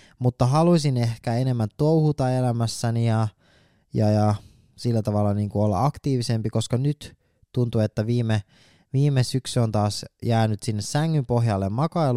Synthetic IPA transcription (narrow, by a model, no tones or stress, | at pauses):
mut̪ːɑɦɑluisinehkæene̞mːænt̪ːouhut̪ɑelæmæsːænijɑ | jɑjɑ | silːæt̪ɑʋɑlːɑniːŋkuolːɑ̰ɑkt̪iːʋise̞mpiko̞skɑnyt̪ | tunt̪uet̪ːæʋiːme | ʋiːmesyksyont̪ɑːsjæːnyt̪sinːessæŋːympo̞ɦjɑlːemmɑkɑel